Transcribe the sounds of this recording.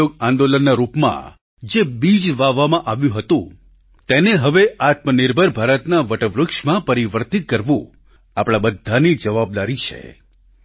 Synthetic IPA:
oɡãnd̪olənːaɾupmã̰ | d͡ʒebid͡ʒʋaʋamãʔaʋjũɦət̪ṵ̃ | t̪eneɦəʋeʔat̪mənɪɾbʱəɾbʱaɾət̪naʋəʈəʋɾʊkʃmãpəɾiʋəɾt̪it̪̚kəɾʋṵ̃ | apɽ̃abəd̪ʱːanid͡ʒəʋab̚d̪aɾit͡ʃʰḛ

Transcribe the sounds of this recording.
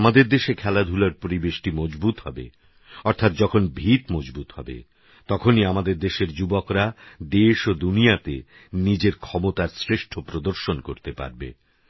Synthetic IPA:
amad̪eɾd̪eʃekʰɛlad̪ʱulaɾpoɾibeʃʈimɔd͡ʑbut̪ɦɔbḛ | ɔɾt̪ʰat̪̚d͡ʑɔkʰonbʱit̪mɔd͡ʑbut̪ɦhɔ̰bḛ | t̪ɔkʰoniamad̪eɾd̪eʃeɾd͡ʑubokɾad̪eʃod̪unijat̪ḛ | nid͡ʑeɾkʰɔmot̪aɾsɾeʃʈʰopɾod̪oɾʃonkoɾt̪epa̰ɾbḛ

